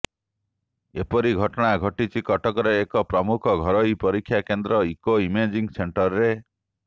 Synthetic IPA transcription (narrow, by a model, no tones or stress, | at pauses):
epɔɾiɡʱɔʈɔɽ̃aɡʱɔʈit͡ʃʰikɔʈɔkɔɾeːkɔpɾɔmukʰɔɡʱɔɾɔipɔɾikʰːjakend̪ɾɔikoimed͡ʒiŋseɳʈɔɾɾe